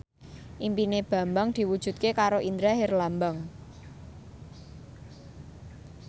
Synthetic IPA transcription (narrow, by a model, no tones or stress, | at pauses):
ʔimpineb̥ä̤mbaŋd̪̥i̤wud̥ʒ̥ṳt̪̚kekaɾoʔind̪ɾaɦɪrlambaŋ